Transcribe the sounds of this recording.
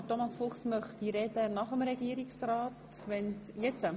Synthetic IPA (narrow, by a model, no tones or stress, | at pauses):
tomɑsfʊχsmœχtiɾɛd̥̪ənɑχəmɾɛɡ̥iəɾiksrɑːt | ʋɛnsjɛt͡sə